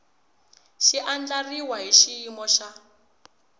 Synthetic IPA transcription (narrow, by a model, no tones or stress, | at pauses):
ʃiʔand͡ɮariwaɦiʃiimɔʃa